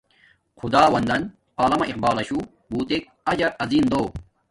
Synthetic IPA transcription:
qud̪aːwɐnd̪ɐn | aːlɐmɐʔiq̚baːlɐɕu | buːt̪ek̚ | ɐd͡ʑɐɾɐziːnd̪oː

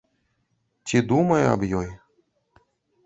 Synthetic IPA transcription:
t͡sʲid̪umɐjɐ̰bjɔj

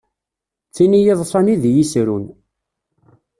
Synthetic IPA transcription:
t͡sːinijiðˤsˤɑniðjisɾun

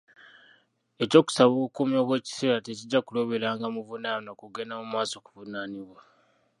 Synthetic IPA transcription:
eco̞ːku̥saβoukumjo̞ːβwe̞ːci̥seːɾateciɟːakulo̞βeɾaːŋɡamuvunaːnokuɡe̞namumaːso̞ku̥vunaːniβwa

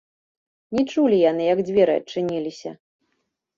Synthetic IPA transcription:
nʲit͡ʂulʲijanɨjɐɡd͡zʲvʲɛɾɨɐ̰t͡ʂːɨnʲilʲisʲɐ̰

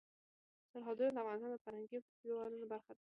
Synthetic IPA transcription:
saɾɦɑd̪uɾd̪afvɣɑnɪst̪ɑnd̪əfaɾhaŋɡi | lwanunabaɾxad̪ɔ

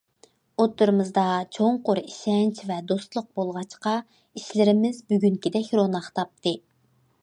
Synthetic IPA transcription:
ot̪ːɨɾɨmɨzd̪ɑt͡ʃʰoɴqoɾiʃɛnt͡ʃvɛd̪ost̪lˠʊq̚bolˠʁɑt͡ʃqɑ | iʃlɪɾɪmɪzbyɡʲyŋkʲid̪ɛkʲɾonɑχt̪ʰɑp̚t̪ʰɨ

